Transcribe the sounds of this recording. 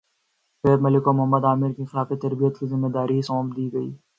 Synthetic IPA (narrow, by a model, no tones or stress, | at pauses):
eːd̪mɐlɪkomʊɦəmːəd̪aːmɪɾkixɪlaːfit̪ɐɾbijət̪kizɪmːed̪aːɾiisɔːmd̪iːɡɐḭː